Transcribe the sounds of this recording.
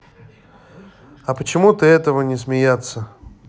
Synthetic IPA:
ɐpət͡ɕɪmut̪əɛt̪əvənʲɪs̬mʲɪjat̪sə

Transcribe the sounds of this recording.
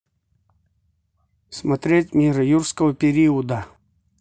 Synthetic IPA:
smɐt̪ɾʲetʲmʲiɾɐjurskəvəpʲɪɾʲiəd̪ə

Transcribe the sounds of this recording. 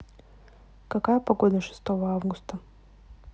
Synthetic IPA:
kakajəpɐɡo̞d̪əʂɨ̥st̪ovɐavɡʊst̪ə

